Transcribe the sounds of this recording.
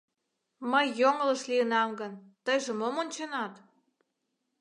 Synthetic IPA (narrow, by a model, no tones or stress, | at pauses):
məjːoŋələʃliənɑmɡənt̪əjʒə̆momonʲt͡ɕenɑt̪